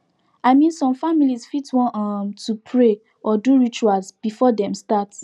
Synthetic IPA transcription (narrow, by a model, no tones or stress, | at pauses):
aɪmĩnsɔ̃mfamilizfitwɔ̃nɔmtupʰɹe | ʔɔduɹit͡ʃualzb̥ifɔdɛ̃mstat